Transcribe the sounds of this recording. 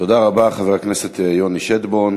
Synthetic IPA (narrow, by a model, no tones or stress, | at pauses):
t̪o̞d̪aʁabaχaveeaknese̞t̪ejoniʃed̪bon